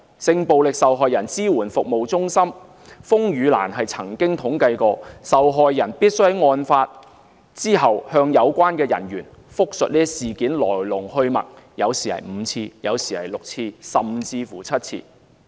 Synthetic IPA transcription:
sɪ˧ŋpo˨wlɪ˨k̚sɐ˨wɦɔː˨jɐ˨˩nt͡siː˥wuː˨˩nfʊ˨k̚mo˨wt͡sʊ˥ŋsɐ˥m | fʊ˥ŋjyː˨˧la̰ː˨˩nɦɐ˨jt͡sʰɐ˨˩ŋkɪ˥ŋt̪ʰʊ˨˥ŋkɐ˧jkɔː˧sɐ˨wɦɔː˨jːɐ˨˩npiː˥t̚sɵ˥hɛ˨ŋɔː˧nfaː˧t̚ | t͡siː˥ɦɐ˨whœː˧ŋjɐ˨˧wkʷwaː˥nkɛː˧jɐ̰˨˩njyː˨˩n | fʊ˥k̚sɵ˨t̚liː˥siː˨˩kiː˨˥nlɔ̰ː˨˩jlʊ˨˩ŋhɵ˧ɥmɐ̰˨t̚jɐ˨˧wsiː˨hɐ̰˨˩jm̩˨˧t͡sʰiː˧jɐ˨˧wsiː˨hɐ̰˨˩jlʊ˨k̚t͡sʰiː˧sɐ˨t͡sʰiː˧fuː˨˩t͡sʰɐ˥t̚t͡sʰḭː˧

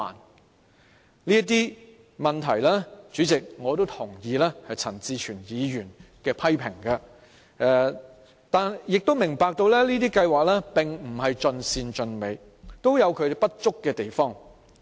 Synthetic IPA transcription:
a̰ː˨˩n | liː˥ɐ˥t̪̬iː˥ | mɐ˨˩nt̪ʰɐ˨˩jlɛː˥t͡syː˨˥t͡sɪ˨k̚ŋɔː˨˧t̪o˥wt̪ʰʊ˨˩ŋjiː˨˧lɛː˥hɐ˨jt͡sʰɐ˨˩nt͡siː˧t͡ʃʰyː˨˩njiː˨˧jyː˨˩nkɛː˧pʰɐ˥jpʰɪ˨˩ŋkɐ˧ | ɛ˧ | t̪aː˨njɪ˨k̚t̪o˥wmɪ˨˩ŋpaː˧k̚t̪o˧wlɛː˥liː˥t̪iː˥kɐ˧jwaː˨˩k̚lɛː˥pɪ˨ŋm̩˨˩hɐ˨jt͡ʃɵ˧nsiː˧nt͡ʃɵ˧nme˨˧j | t̪o˥wjɐ˨˧wkʰɵ˨˧˨pɐ˥t̚t͡ʃʊ˥kːɛː˧t̪e˨jfɔː˥ŋ

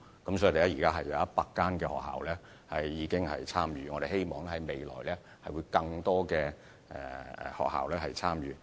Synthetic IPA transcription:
kɐ˨˦msɔː˨˥i˨˧t̪e˨˩lɛ˥˩jiː˨˩kaː˥ɦɐ˨jːɐ˨˧wɐ˦˥t̚paː˧k̚kːaː˥nkɛː˧hɔ̰ː˨k̚ha̰ː˨wlɛː˥ | hɐ˨jːiː˨˧kɪ˥ŋhɐ̰˨jt͡sʰaː˥mjyː˨˧ŋɔː˨˧ɾe˨jɦe˥jmɔː˨ŋɛ˥hɐ˨˦jme˨jlɔ̰ː˨˩jlɛː˥ | hɐ˨jwu˨˧jkɐ˧ŋt̪ɔː˥kɛː˧ | ɛː˨ɛ̰˨hɔ̰ː˨k̚ɦa̰ː˨wlɛː˥hɐ˨jt͡sʰaː˥mjyː˨

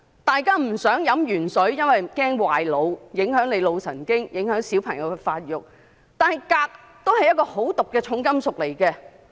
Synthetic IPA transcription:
t̪aː˨jkaː˥m̩˨˩sœː˨˥ŋjɐ˨˥mjyː˨˩nsɵ˨˥ɥjɐ˥nwɐ˨jkɛː˥ŋwaː˨jlo˨˧wjɪ˨˧˥ŋɦœː˨˥ŋnle˨˧jlo˨˧wsɐ̰˨˩nkɪ˥ŋjɪ˨˥ŋhœː˨˥ŋsi˨˥wpʰɐ˨˩ŋjɐ˨˧wkɛ˧faː˧t̚jʊ˨k̚ | t̪aː˨˧nhɐ˨jkaː˧k̚ | t̪o˥whɐ˨jːɐ˥t̚kɔː˧ho˨˥wt̪ʊ˨kːɛː˧t͡ʃʰʊ˨˧˥ŋkɐ˥msʊ˨k̚le˨˩jkɛː˧

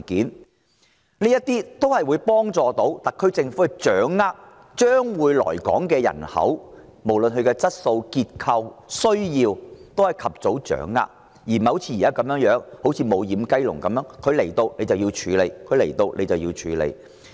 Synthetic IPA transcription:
kiː˨˥n | ni˥jɐ˥t̚t̪iː˥t̪o˥whɐ˨jwuː˨˧jpɔː˥ŋt͡sɔː˨˧t̪o˨˥wt̪ɐ˨˩kʰɵ˧ɥt͡sɪ˧ŋfu˨˥kɛ˨˧t͡ʃœː˨˥ŋːaː˥k̚ | t͡ʃœː˥ŋwuː˨˧jlɔ̰ː˨˩jkɔ̰ː˨˥ŋkɛː˧jɐ̰˨˩nhɐ̰˨˥w | mo˨˩wlɵ˨nɦɵ˨˧ɥkɛː˧t͡sɐ˥t̚so˧wkiː˧t̚kʰɐ˧wsɵ˥ɥjiː˧wt̪o˥whɐ˨jkʰɐ˨p̚t͡so˨˥wt͡ʃœ̰ː˨˥ŋːa̰ː˥k̚ | jiː˨˩mɐ˨˧wt͡sʰiː˧jiː˨˩aː˥kɐ˨˧mjœː˨˥ŋjœː˨˥ŋho˨˥wt͡sʰiː˧mo˨˧wjiː˨˧mkɐ˥jlʊ̰˨˩ŋkɐ˨mjœː˨˧˥ŋkʰɵ˨˧ɥle˨˩jt̪o˧wne˨˧jt͡sɐ˨wjiː˧wt͡ʃʰyː˨˧le˨˧jkʰɵ˨˧ɥle˨˩jt̪o˧wlʔḛ˨˧jt͡sɐ˨wjiː˧wt͡ʃʰyː˨˧lḛ˧j

